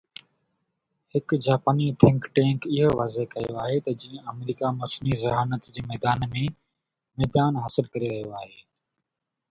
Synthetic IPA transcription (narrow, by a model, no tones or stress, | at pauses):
hɪkd͡ʑaːpaːniːt̪ʰɪ̃ŋkʈẽːŋkɪɦoːʋaːzeɦkəjoaːɦeːt̪ɐd͡ʑĩːə̃əmɾiːkaːmoːsniːzɪɦaːnət̪d͡ʑiːmɛːd̪aːnmẽ | mɛːd̪aːnɦəsɪlkəɾeɾɐɦijoaːɦeː